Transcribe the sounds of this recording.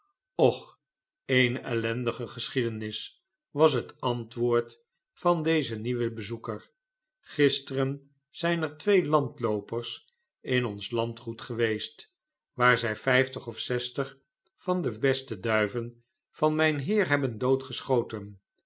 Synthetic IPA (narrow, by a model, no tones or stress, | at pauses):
ɔχ | ejnɛ̰lɛndəχəχəsχidənɪs | ʋɑs̬ɦətɑntʋʊːɹt | fɑndejzəniʋəbəzukəɹ | χɪstərən | z̥ɛjnəɹtʋejlɑntlowpəɹs | ɪnɔnslɑntχutχəʋejst | ʋaːɹzɛjfɛjftəχɔfsɛstəχ | fɑndəbɛstədœɥvən | fɑnmɛjnɦɪːɹɦɛbəndowtχəsχowtən